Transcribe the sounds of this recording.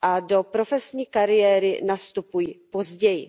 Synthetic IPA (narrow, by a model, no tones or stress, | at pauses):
ʔado̞pɾo̞fɛsɲiːkaɾɪjɛːɾɪ̰nast̪upujipo̞zɟɛjɪ̰